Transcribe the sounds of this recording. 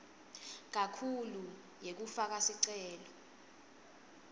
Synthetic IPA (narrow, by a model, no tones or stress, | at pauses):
k̬akʰulu | jek̬ufak̬asiǀɛːlɔ